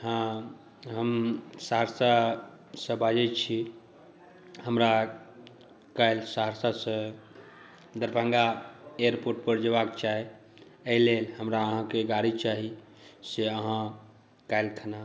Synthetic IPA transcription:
ɦã | ɦəmsaɦəɾsa | sə̃bad͡ʒɛt͡ʃʰi | həmɾa | kajlsaɦəɾsasə̃ | d̪əɾpə̃ŋɡaeəɾpoɾʈ̚pəɾd͡ʒebakt͡ʃaɦe | əilelɦəmɾaəɦãkeɡaɽit͡ʃaɦi | seəɦã | kajlkʰəna

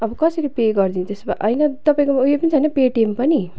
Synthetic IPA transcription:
ʌbʌkʌsʌɾipeɡʌrd̪int̪esba̰ʔʌjnʌt̪ʌpaĩkomuepʌnit͡sʰʌinʌpeʈempʌni

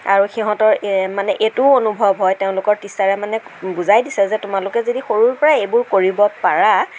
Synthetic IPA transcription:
a̰ɹuxiɦɔ̃tɔɹmanɛʔetuonubʱɔbʱɦɔjteʊ̃lʊkɔɹtisaɹɛmanɛbuzajdisɛzɛtʊmalʊkɛzodixoɹuɹpɔɹaejbʊɹkoɹibɔpaɹa

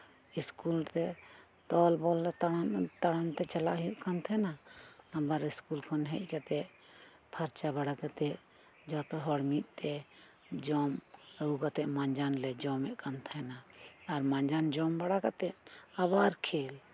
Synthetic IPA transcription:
iskult̪ɛ | t̪ɔlbɔlːɛt̪ant̪aɽant̪ɛt͡ʃala̰ʔɦiuʔkant̪ʰɛnaabaɾiskulkʰɔnɦɛc̚ˀkat̪ɛʔ | pʰaɾt͡ʃabaɽakat̪ɛʔ | d͡ʒɔt̪ɔɦɔɽmit̪̚ˀt̪ɛ | d͡ʒɔməukat̪ɛʔmaɲd͡ʒanlɛd͡ʒɔmɛʔkant̪ʰɛnaːɾmaɲd͡ʒand͡ʒɔmbaɽakat̪ɛʔ̚abaɾkʰɛl

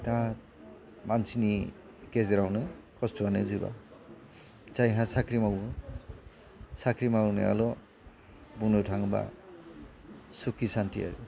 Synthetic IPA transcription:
ta | mansini | kezeɾawnɯkɔstɔɾanɯzɯba̰ | t͡ʃajɦãsakʰɾimaɡu | sakʰɾimawunɯ̰a̰lɔ | bunutʰaŋba̰ | sukisantia̰ɾɯ̰

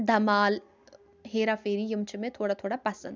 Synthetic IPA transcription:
d̪ʱɐmaːl | ɦeːɾafeːɾijʊmt͡ʃʰmẽt̪ʰoːɽat̪ʰoːɽapɐsə̃nd̪

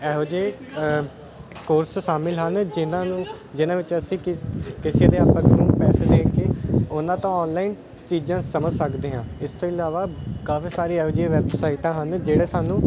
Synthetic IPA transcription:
ɛːɦoːd͡ʒeː | koːɾsʃaːmɪlɦənd͡ʒɪnãːnũː | d͡ʒɪnãːʋɪt͡ʃəsĩːkɪsiːd̪eːaːpːə̃ːknũːpɛːseːd̪eːkeːʊnãːt̪ãːɔːnlaːin | t͡ʃiːd͡ʒãːsəməd͡ʒsəkd̪eːɦãːɪst̪õːɪlaːʋaːkaːfiːsaːɾiːɛːɦoːd͡ʒeːʋɛːbsaːɪʈãːɦənd͡ʒeːɽeːsaːnũː

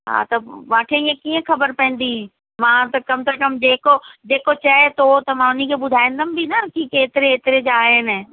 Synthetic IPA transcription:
ɦa̰t̪ɐʋaːʈʰeiːẽkiːə̃xɐbəɾpɛ̃ɦɪ̃n̆d̪ĩ | mãːt̪ɐkɐmsekɐmd͡ʑeːkod͡ʑeːkot͡ʃɐet̪ot̪ɐmãːʊnikʰebʊd̪ʱaːẽːnd̪əmbʱinɐkikeːt̪ɪɾeːt̪ɾed͡ʒaːɦeːn

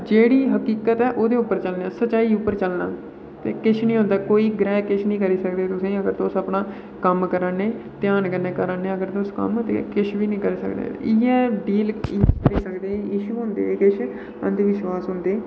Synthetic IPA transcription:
d͡ʒeːɽiːɦəkiːkət̪ɛːʔoːd̪eːʊpːəɾt͡ʃəlnɛːsət͡ʃaːiːʊpːəɾt͡ʃəlna̰ː | t̪eːkɪt͡ʃʰnĩːɦʊ̃ːnd̪aːkoːiːɡɾɛːkɪt͡ʃʰnĩːkəɾiːsəkd̪eːt̪ʊsẽːəɡəɾt̪oːsəpnãː | kəmkəɾaːneːt̪ɪjaːnkəneːkəɾaːneːəɡəɾt̪oʊskə̰mt̪ḛkɪt͡ʃʰʋiːnĩːkəɾiːsə̰kd̪ḛːɪːɛːɖiːliːkəɾiːsəkd̪eːɪʃuːɦʊ̃nd̪ḛːkɪt͡ʃʰ | ə̰nd̪eʋɪʃwaːsɦʊ̃nd̪eː

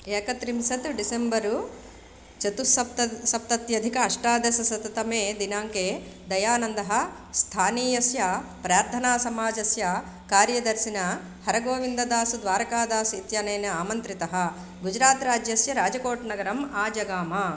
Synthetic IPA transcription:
eːkɐt̪ɾimsɐt̪ɖisembɐɾu | t͡ʃɐt̪usɐp̚t̪ɐsɐp̚t̪ɐt̪jɐd̪ʱikɐːʂʈaːd̪ɐsɐsɐt̪ɐt̪ɐmeːd̪inaːŋkeː | d̪ɐjaːnɐnd̪ɐɦɐ̆ | st̪ʰaːniːjɐsjɐpɾaːɾt̪ʰɐnaːsɐmaːd͡ʒɐsjɐ | kaːɾjɐd̪ɐɾsinɐ | hɐɾɐɡoːʋind̪ɐd̪aːsud̪ʋaːɾɐkaːd̪aːsuit̪jaːnɐːnɐaːmɐnt̪ɾit̪ɐɦɐ̆ | ɡud͡ʒɾaːt̪ɾaːd͡ʒjɐsjɐɾaːd͡ʒɐkoːʈnɐɡɐɾɐmaːd͡ʒɐɡaːmɐ

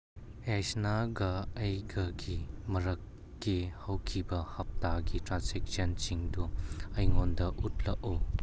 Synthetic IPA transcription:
ejsnaɡɐɐjɡɐɡimɐɾɐkː | ihɐwkʰibɐhɐp̚taɡitɾansek̚sɐnt͡ʃiŋduɐjŋondɐʔutʰlɐʔu

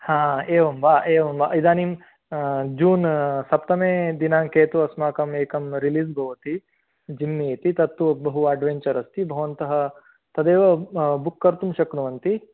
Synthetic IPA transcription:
hãːeːʋɐmbaːʔeːʋɐmba̰ːid̪aːnim | d͡ʒuːnsɐpt̪ɐmeːd̪inaːŋkeːt̪uɐsmaːkɐmeːkɐmɾiliːzbʱɐʋɐt̪i | d͡ʒimːeːt̪it̪ɐt̪ːuɐbɐɦuaːɖʋeɲt͡ʃɐɾɐst̪ibʱɐʋɐnt̪ɐɦɐ̆ | t̪ɐd̪eːʋɐbukːɐɾt̪umʃɐkɾuʋɐnt̪i

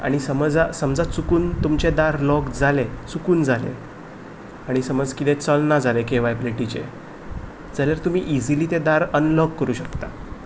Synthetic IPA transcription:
a̰ɽ̃isəmd͡zasəmd͡zat͡sukuːnt̪umt͡ɕed̪aɾlɔɡd͡zʱalet͡sukuːnd͡zʱalḛ | aɽ̃isəməd͡zkit̪et͡səlnad͡zalekeʋajpleʈit͡ɕḛ | d͡zaljaɾt̪um̤iʔid͡ziliːt̪ed̪aɾənləɡ̚kəɾuːɕəkt̪a

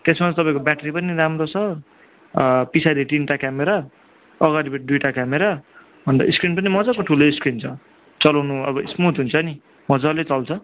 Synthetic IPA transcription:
t̪esmat͡st̪ʌpaĩkobaʈʌɾipʌniɾamrot͡sʰʌ | pisaɾiʈinʈakameɾaː | ɣaɾibeɖ̪ujʈakameɾa | bʱʌnt̪ʌ̰iskrinpʌnimʌd͡zakoʈʰuloiskrint͡sʰʌ | t͡sʌlawnuʌbʌismut̪ɦunt͡sʰʌni | mʌd͡zalet͡sʌlt͡sʰʌ

